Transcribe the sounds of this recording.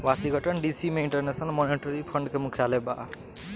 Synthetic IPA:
wasiɡʱʌʈʌnɖisimeiɳʈʌrnesnʌlmɔniʈɔɾipʰʌɳɖkomukʰjaleba̰ʔ

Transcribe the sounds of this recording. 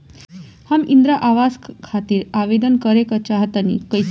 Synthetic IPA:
hamind̪ɾaʔaʋaskʰat̪iːɾaʋed̪ənkəɾekət͡ɕaɦət̪anḭkəj

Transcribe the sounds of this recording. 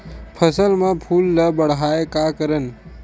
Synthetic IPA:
pʰəsəlmẽpʰuːlːəbəɽ̤ɦaːekakəɾən

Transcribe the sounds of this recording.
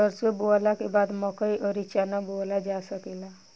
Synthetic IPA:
əɾsebolakebad̪mɔkəiʔəɾit͡ʃanabolad͡ʒasəkela

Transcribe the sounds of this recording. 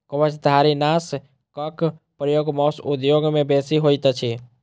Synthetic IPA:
kəbət͡ʃd̪ʱaɾinas | kək | pɾjoɡmɔsud̪joɡmẽbesiɦojt̪t͡ʃʰi

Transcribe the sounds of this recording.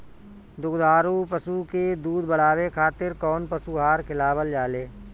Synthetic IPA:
d̪ʊɡd̪ʱaːɾupəsuked̪uːd̪bəɽ̤aːwekʰaːt̪ɪɾkɔːnpəsuɦaːɾkʰɪlaːbəld͡ʒaːleː

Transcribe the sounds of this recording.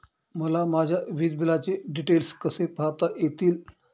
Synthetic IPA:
məlamad͡ʑʱjaʋid̪bilat͡ɕeɖiʈelskəsepat̪ajet̪iːl

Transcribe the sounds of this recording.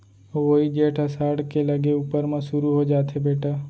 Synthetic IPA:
ʋoid͡ʒeːʈʰəsaːɽkelɐɡeuːpəɾmãʃʊɾuɦod͡ʒaːt̪ɦebeːʈaː

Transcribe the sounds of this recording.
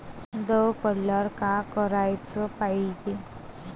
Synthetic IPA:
d̪əpəlːəɾkakəɾajt͡səpaid͡ʒe

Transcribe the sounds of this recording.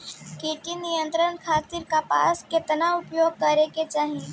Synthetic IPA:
kiʈinijə̃nt̪ɾənkʰaːt̪iɾkapa̰ːskɪt̪naʊpjoːɡ̚kɐɾeket͡ʃaːɦie

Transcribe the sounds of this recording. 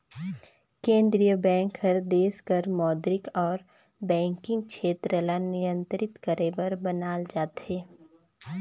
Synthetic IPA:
kẽːnd̪ɾijəbɛ̃ːŋkhəɾd̪eːskəɾmɔːd̪ɾɪkɔːɾ | bɛ̃ːŋkɪ̃ŋɡ̚ʃʰeːt̪ɾəlanɪjə̃nt̪ɾɪt̪kəɾeʋɐɾbənaːld͡ʒaːt̪ɦeː

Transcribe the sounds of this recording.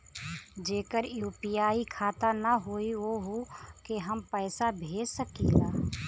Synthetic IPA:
d͡ʒeːkəɾjuːpijaːikʰaːt̪anəɦoːiʋoɦokeɦəmpəːsabʱeːd͡ʒsəkḭːlaː

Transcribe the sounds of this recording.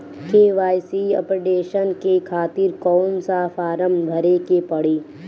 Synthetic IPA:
keːʋaːjsiɐ̰pɾɪɖeːʃənkekʰaːt̪ɪɾkɔːnsaːfaːɾəmb̪ʱɐɾekepɐɽiː

